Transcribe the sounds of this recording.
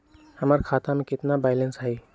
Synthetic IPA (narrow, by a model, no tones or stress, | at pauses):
hɐməɾkʰaːt̪amẽkɪt̪nabaːɪlə̃nsɦai